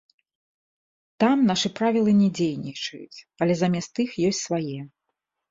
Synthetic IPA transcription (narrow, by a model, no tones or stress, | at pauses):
t̪amnaʂɨpɾavʲilˠɨnʲɛd͡zʲejnʲit͡ʂɐ̰jṵt͡sʲ | ɐlʲɛzamʲɛst̪ɨxjɔsʲtʲsvajɛ